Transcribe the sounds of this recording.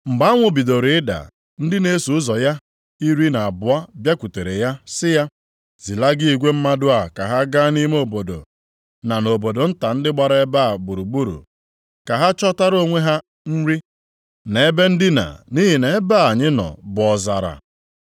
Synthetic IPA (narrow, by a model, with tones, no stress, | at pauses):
ŋ͡m̩˨ɡ͡ba˦ŋʷʊ˨bi˨do˨ɾi˨˦ɪ˦da̰˨ | n̩˦dɪ˦ne˦su˨ʊ˦zɔ˨ja˦ | i˦ɾi˦na˨a˨bʊ˨a˦bja˦kʷu˨te˨ɾe˨ja˦sɪ˦ja˦ | zi˨la˦ɡɪ˦i˨ɡʷe˦m̩˦ma˦dʊ˦a˨ka˨ɦa˦ɡa˦ni˦me˦o˨bo˨do̰˨ | na˨no˨bo˨do˨n̩˦ta˨n̩˦dɪ˦ɡ͡ba˨ɾe˦ba˦˨bu˨ɾu˨ɡ͡bu˦ɾṵ˨ | ka˨ɦa˦t͡ʃɔ˦ta˦ɾo˦ŋʷe˦ɦa˦ | n̩˦ɾi˦ | ne˨e˦be˦n̩˦dɪ˦na̰˨ni˦ɦi˨ne˨e˦ba˦a˨ɲɪ˦nɔ̰˨bʊ˨ɔ˨za̰˨ɾa̰˨